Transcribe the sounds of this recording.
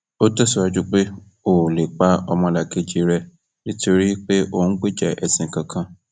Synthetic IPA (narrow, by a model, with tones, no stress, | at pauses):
o˦tɛ˦su˧˦a˧d͡ʒu˦k͡pe˦ | o˨le˨k͡pa˦ɔ˧mɔ̃˧la˨ke˧d͡ʒi˨ɾɛ˧ | nĩ˦to˧ɾi˦k͡pe˦ʔo˨n̩˦ɡ͡be˦˨d͡ʒɛ˨ʔɛ˨sĩ˨ŋ̩˨kã˨kʰã˧